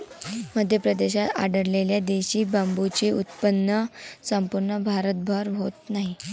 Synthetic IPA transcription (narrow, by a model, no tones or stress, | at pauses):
məd̪ʱjəpɾəd̪eɕat̪a̰ɖəɾleljad̪eɕiːbambut͡ɕeut̪pənːəsəmpuɾɳəbʱaɾət̪̚bʱəɾɦot̪naɦi